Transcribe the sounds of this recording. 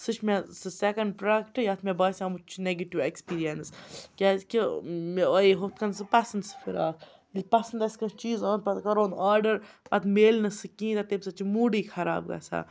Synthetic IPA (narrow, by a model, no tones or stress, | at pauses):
sɨt͡ʃʰmesɨsekɐɳɖ̚pɾɐɖɐkʈɨjat̪ʰmebɐːsʲɐmut͡ʃʰuneɡɐʈiʋekspiːɾijɐnskʲazkʲimojiɦot̪kɐnsɨpɐsɐnsɨ̥fʰiɾaːkʰ | lʲpɐsɐnd̪ɐsʲkɐt͡ʃiːzɐːnpɐt̪kɐɾoːnaːɾɖəɾpɐt̪meːlnɐsɨkĩːd̪at̪ebsɐt͡ʃimuːɖiːkʰɐɾa̰ːbɡɐ̰sa̰